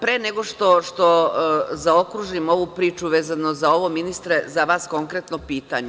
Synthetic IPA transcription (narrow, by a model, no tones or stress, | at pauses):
pɾeːneɡo̞ʃt̪o̞ʃt̪o̞zao̞kɾuʒimo̞ʋupɾiːt͡ʃuʋeːzanozao̞ʋo̞minist̪ɾezaʋaːsko̞ŋkɾet̪nopiːt̪aɲe